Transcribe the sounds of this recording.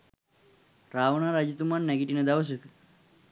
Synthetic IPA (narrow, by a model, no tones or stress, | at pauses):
raːʋənaːɾad͡ʒit̪umanːæɡiʈinəd̪aʋəs̬əkə